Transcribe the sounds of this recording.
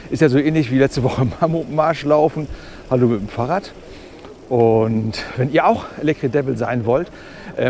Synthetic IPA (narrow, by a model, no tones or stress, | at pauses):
ʔɪstjaːzoːʔɛːnlɪçv̥iːlɛt͡stəvɔχəmamomaɐʃlaʊfn̩ | haloːmɪtm̩faːʁat | ʔʊntvɛniːɐaʊxʔelɛktʁ̥idɛvl̩za̰ɪnvɔlt | ʔɛː